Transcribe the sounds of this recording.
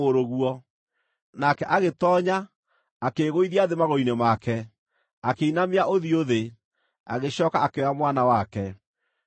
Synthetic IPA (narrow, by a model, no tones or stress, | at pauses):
oɾoɣuɔ | nakɛʔaɣetɔɲaː | keɣoiðiaðemaɣoinemakɛ | akeinameaʔoðioðe | a̰ɣeɕɔkaakeamwanawakɛ